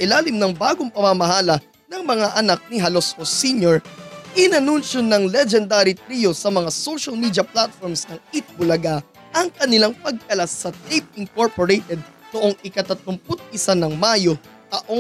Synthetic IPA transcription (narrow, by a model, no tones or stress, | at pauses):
ʔɪlaːlɪmnɐŋbaːɡoŋpɐmamɐɦaːlɐ | nɐŋmɐŋaʔɐnak̚niɦɐlo̞shosiɲoɹʔɪnɐnunʃonɐŋlɛd͡ʒɛnd̪aɾit̪ɾijo̞sɐmɐŋasowʃɐlmid̪jɐplat̪̚foɹmsnɐŋit̪̚bʊlɐɡa | ʔɐŋkɐnɪlaŋpɐɡ̚kɐlasːɐt̪ejp̚ɪŋkoɹpoɹejt̪ɛd̪̚noʔoŋʔɪkɐt̪ɐt̪ʊmpʊt̪̚ɪsanɐŋmajo | t̪ɐʔo